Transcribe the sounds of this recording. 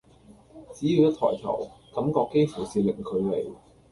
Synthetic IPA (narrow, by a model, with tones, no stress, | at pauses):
t͡siː˨˥jiː˨˧wjɐ˥t̪ʰɔ̰ː˨˩jt̪ʰɐ̰˨˩wkɐ˨˥mkɔː˧kːe˥jfu˨˩wsiː˨lɪ˨˩ŋkʰɵ˨˧le˨˩j